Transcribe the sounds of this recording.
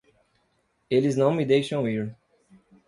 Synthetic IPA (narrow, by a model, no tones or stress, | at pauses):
eliznɐ̃w̃mid̪ejʃə̃wiɹ